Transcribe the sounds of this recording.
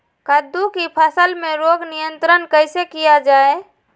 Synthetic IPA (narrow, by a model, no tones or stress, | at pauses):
kəd̪ukipʰəsəlmẽɾoːɡnijə̃nt̪ɾənkəɪsekijad͡ʒaːe